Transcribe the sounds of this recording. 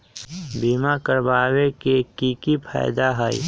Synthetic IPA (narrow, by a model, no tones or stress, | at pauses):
biːmakəɾbaːwekekiːkipʰa̰ːɪd̪aɦəḭ